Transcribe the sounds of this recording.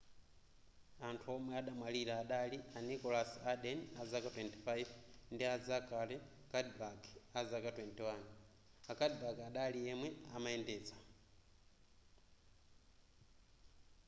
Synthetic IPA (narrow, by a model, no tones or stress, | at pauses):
antʰuɔmwɛaɗamwaliɾaːɗalianikɔlasaɗɛnazakatwɛnti̥fajvndiazakalɛ | kadbakazakatwɛntiwan | akadbakaɗaliɛmwɛamaɛndɛːd͡za